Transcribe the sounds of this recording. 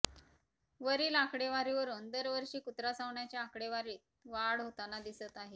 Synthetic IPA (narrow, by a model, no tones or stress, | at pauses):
ʋəɾiːlakɽeʋaɾiʋəɾuːnd̪əɾʋəɾʂiːkut̪ɾasaʋɳjat͡ɕjaakɽeʋaɾiːt̪̚ʋaɽɦot̪anad̪isət̪aɦe